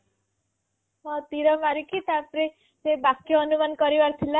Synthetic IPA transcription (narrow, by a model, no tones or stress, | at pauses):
mʌt̪iɾʌmaɾikit̪apɾe | t͡sebakjoʌnumankʌɾiwaɾt̪ʰila